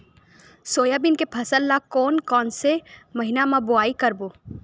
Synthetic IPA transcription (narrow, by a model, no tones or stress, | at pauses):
soːjabɪnkepʰɐsəlːakɔːnkɔːnsemɐɦɪnamãbʊaːikɐɾboː